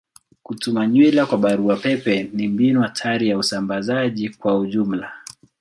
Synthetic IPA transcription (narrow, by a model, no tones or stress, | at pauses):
kutumaɲwilakwaɓaɾuapɛpɛnimbinuatʰaɾijausambazaʄikwauʄum̩la